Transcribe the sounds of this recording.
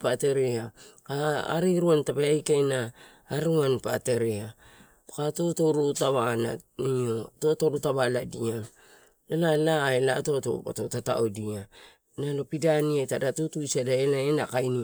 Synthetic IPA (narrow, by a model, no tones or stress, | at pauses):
pateɾeakaa̰ɾiɾuantapeajkajnaː | ɾuanpa̰te̞ɾea | katoto̞ɾutaβana̰nio̞to̞toɾutaβaladia | nalalaelato̞to̰po̰totata̰odia | nalo̞pidaniatadatutujsiadaelaenakajni